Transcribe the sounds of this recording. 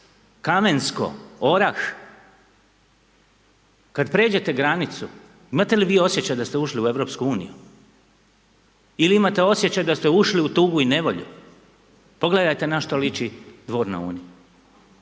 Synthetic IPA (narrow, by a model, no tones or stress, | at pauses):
kame̞nsko̞̰oɾax | kad̪pɾe̞ːd͡ʑe̞t̪e̞ɡɾanit̪su | imat̪e̞liʋiːo̞sje̞t͡ɕajd̪ast̪euʃliue̞ʋɾopskuuːnḭju | iliimat̪e̞o̞sjet͡ɕajd̪ast̪e̞uʃliut̪uːɡuine̞ʋo̞ʎṵ | po̞ɡle̞d̪ajt̪e̞naʃt̪olit͡ʃid̪ʋo̞ːɾna̰ṵːniju